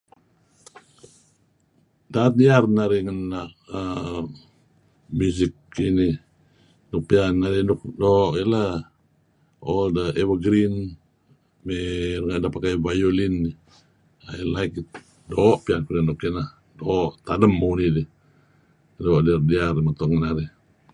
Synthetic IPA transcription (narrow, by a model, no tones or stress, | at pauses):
dat̪̚diarnaɾiŋənːaʔə | muzikːini | nuk̚piannaɾinuk̚dɔʔila | ɔldəewəɡɾin | merŋaʔdapakajvajolinːi | ailaik̚i | doʔpiankunandukinah | doʔt̪adəmːuunidi | doʔdiardiarimat̪ɔŋŋənaɾi